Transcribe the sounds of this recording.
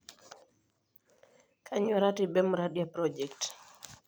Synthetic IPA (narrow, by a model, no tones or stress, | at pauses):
kʰaɲɔɾatibɛmɾaɗjapɾɔd͡ʒɛkt